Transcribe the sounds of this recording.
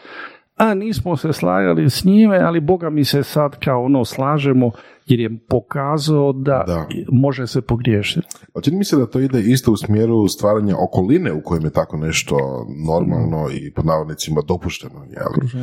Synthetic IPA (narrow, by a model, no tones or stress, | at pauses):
aniːsmose̞slˠa̰ːja̰lisɲimealibo̞ɡamise̞sad̪kaonoːslˠaːʒemo | jeɾjepo̞kaːzaod̪a̰d̪amo̞ʒesepo̞ɡɾjeːʃit̪t͡ʃinimised̪at̪o̞ːid̪eist̪ousmjeːɾust̪ʋaːɾaɲaʔoko̞lineukojemjet̪akoneʃt̪o̰no̞ɾma̰llˠnoḭpod̪naːʋod̪nit̪simad̪o̞puʃt̪enojḛli